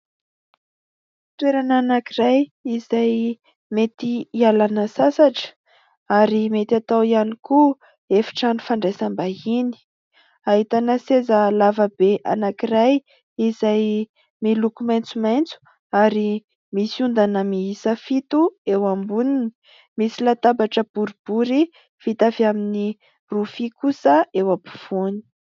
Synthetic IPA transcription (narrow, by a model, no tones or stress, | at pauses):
t̪weɾananakirajizaj | met̪iialanəsasaʈ͡ʂə̥ | aɾimet̪at̪awianiku | efi̥ʈ͡ʂanufaɳɖ͡ʐesambaini̥ | aɦit̪anəsezəlavəbeʔa̰nakiraj | izaj | milukumajnt͡sumajnt͡su̥ | aɾi | misund̪anəmiisəfit̪uewambunini̥ | misilat̪abaʈ͡ʂəb̥uɾib̥uɾi | fit̪avamini | rufikusəewabuv̥uni̥